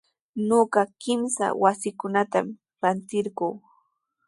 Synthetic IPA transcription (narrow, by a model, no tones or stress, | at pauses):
noɢɑkɪmsa̰wasɪkʊnat̪am | ɾant̪ɪɾɢuː